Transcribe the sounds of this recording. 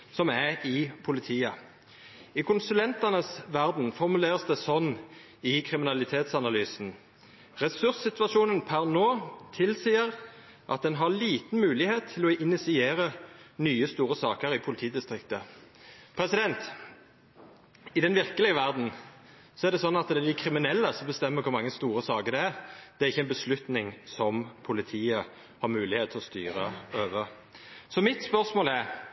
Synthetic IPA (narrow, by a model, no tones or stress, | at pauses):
sɔmæɪpʰʊlɪt̪ʰiːə | ɪkʰʊnsʉlɛnt̪ɑnəsʋæʁd̪n̩fɔʁmʉleːʁəsd̪ɛsɔnː | ɪkʰʁɪmɪnɑlɪt̪ʰeːt̪sɑnɑlyːsn̩ | ʁɛsʉʁssɪt̪ʋɑʂuːnənpʰæʁnoːt̪ʰɪlsiːəʁ | ʔɑ̰t̪̚d̪ɛnɦɑliːt̪n̩mʉːlɪheːt̪ʰːɪlɔʔɪnɪsɪeːʁənyːəst̪uːʁəsɑ̰ːkəɾɪpʰʊlɪt̪ʰiːd̪ɪst̪ʁɪk̚t̪ə | pʰɾɛsɪd̪ɛnt̪ | ɪd̪ɛnʋɪɾkəlɪəʋæʁd̪n̩ | sɔæɾd̪ɛsɔnːɑt̪d̪ɛæd̪ɪkʰɾɪmɪnɛlːəsɔbəst̪ɛmːəɾkʰʊɾmɑŋːəst̪uːɾəsɑːkəɾd̪ɛæɾd̪̥ɛæɾɪçːəɛɪnbəslʉt̪nɪŋsɔmpʰʊlɪt̪ʰiːə | hɑɾmʉːlɪheːt̪ʰɪlɔst̪y̰ːɾəøːʋə | sɔmɪt̪spœʁsmoːlɛɾ